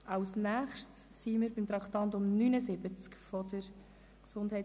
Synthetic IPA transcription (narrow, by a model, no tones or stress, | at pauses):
ʔɑwsnæːχʃtsːiməɾbɪmt̪ɾɑkχt̪ɑnt̪ʊmnynəsɪbət͡skfɔdəɾ | ksʊnd̥hɛɪ